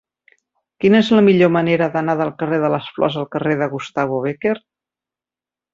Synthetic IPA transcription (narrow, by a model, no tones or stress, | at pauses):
kinəezləmiʎoməneɾəðənaðəlˠkəreðələsflɔ̰zəlˠkəreðəɣust̪aβuβ̞eker